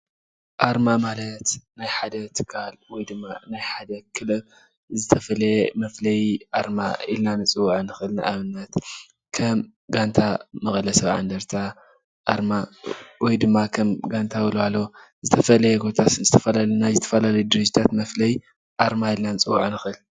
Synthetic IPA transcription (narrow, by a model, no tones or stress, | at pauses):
ʔaɾmamalɐt̪najħad̪ɐt̪ʰɨ̥kʰalwɔjd̪ɨmːanajħad̪ɐkʰɨlɨβ | zɨt̪ʰɐfɐlɐjemɐflɐjʔaɾma̰ilnanɨt͡sʼɨwːaʕɨnɨxɨlnaʔaβɨnːɐt̪ | kʰɐm | ɡant̪ʰamɐxʼlɐsɐβʕa̰nd̪ɐɾt̪ʰa | ʔa̰ɾmawɔjd̪ɨmːakʰɐmɡant̪ʰawɨloalːo | zɨt̪ʰɐfɐlɐjɛɡo̞t̪ʰat̪nzɨt̪ʰɐfɐlalnajzɨt̪ʰɐ̥fɐlalɐjud̪ɨɾɨd͡ʒit̪ʰat̪mɐflɐj | ʔaɾmajilnanɨt͡sʼɨwaʕanɨxɨl